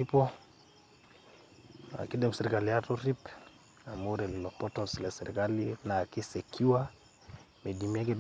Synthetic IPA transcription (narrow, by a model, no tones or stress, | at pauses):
ipɔ | a̰kidɛmusɛɾikalijatɔɾip | amuɾɛlilɔpɔtɔnsilasɛɾikalinaːkisɛkʰiwa | mɛdimiak̬i